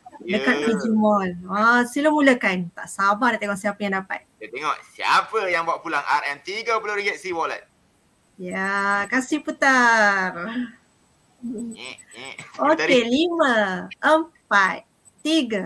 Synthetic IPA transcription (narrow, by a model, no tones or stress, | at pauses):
dəkat̪̚kid͡ʒimɔlasilamuləkant̪a̰ʔsabadat̪eŋɔʔsiapəjaŋdapa̰t̪̚sat̪eŋɔʔsia̰pəjaŋbuaʔpulaŋʔa̰ɾɛmt̪iɡəpəloɾiɡɛt̪̚siwɔla̰t̪̚ | jakasihput̪ar | okeliməʔəmpat̪̚ | t̪iɡa